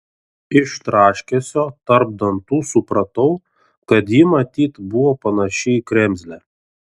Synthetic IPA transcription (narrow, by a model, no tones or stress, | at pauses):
ɪʃt̪ɾɑːʃʲkʲesʲoːt̪ɐɾb̚d̪ɐnt̪uːsʊpɾɐt̪ɐʊ | kɐt̪jiːmɐt̪ʲiːt̪bʊʋoːpɐnɐʃʲɪikɾʲɛmʲzʲlʲæ